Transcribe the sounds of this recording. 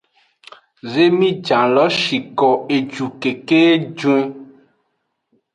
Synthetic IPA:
ze˦mĩ˦d͡ʒã˨lɔ˨˦ʃi˨kɔ˨e˨d͡ʒu˨ke˨ke˦d͡ʒũ˦e˦

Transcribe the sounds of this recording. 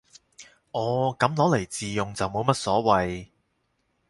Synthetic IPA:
ʔɔː˨˧kɐ˨˥mlɔː˨˥le˨˩jt͡siː˨jʊ˨ŋt͡sɐ˨wmo˨˧wmɐ˥t̚sɔː˨˥wɐ˨j

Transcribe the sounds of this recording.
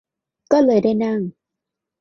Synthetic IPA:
kɔː˥˩lɤː˨˧˩jdaː˥˩jna˥˩ŋ

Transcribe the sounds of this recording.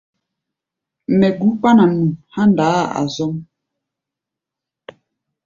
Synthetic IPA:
mɛ˨ɡu˨˦k͡pa˦na˨nu˨ha˦nda˨˦˨a̰˨zɔ˦m

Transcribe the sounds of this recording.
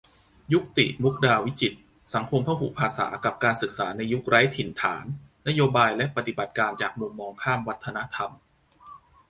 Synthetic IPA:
ju˦˥k̚t̪ḭ˨˩ʔnu˦˥k̚daː˧wi˦˥t͡ɕi˨˩t̪̚ | sa˩˦ŋkʰo˧mkʰa˥˩wpʰu˨˩pʰaː˧sa̰ː˩˦ka˨˩p̚kaː˧nsɯ˨˩k̚saː˩˦na˧jːu˦˥k̚ɾaː˦˥jt̪ʰi˨˩nt̪ʰa̰ː˩˦nː | a˦˥joː˧baː˧jlɛ˦˥ʔpa˨˩t̪i˨˩ba˨˩t̪̚kaː˧nt͡ɕaː˨˩k̚mu˧mːɔː˧ŋkʰaː˥˩mwa˦˥t̪ʰːa˧na˦˥ʔt̪ʰa˧m

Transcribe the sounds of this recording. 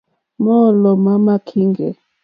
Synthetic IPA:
mɔ˦˨lɔ˨ma˦ma˦kʰi˦ŋɡɛ˨

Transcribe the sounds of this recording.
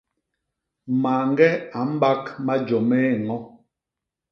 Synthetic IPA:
ma˨ŋ˦ɡɛ˦a˨m̩˦ba˦kma˦d͡ʒɔ˨me˦˨ŋɔ˦

